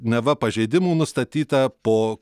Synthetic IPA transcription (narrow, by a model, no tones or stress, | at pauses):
nʲɛʋɐpɐʒʲɛɪd̪ʲɪmuːnʊst̪ɐt̪ʲiːt̪ɐpoː